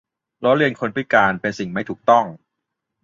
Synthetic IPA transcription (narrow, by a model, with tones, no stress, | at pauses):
lɔ˦˥ɾi˧ənkʰo˧npʰɾi˦˥˩kaː˧npe˧nsi˨˩ŋma˥˩jt̪ʰuː˨˩k̚t̪ɔ˥˩ŋ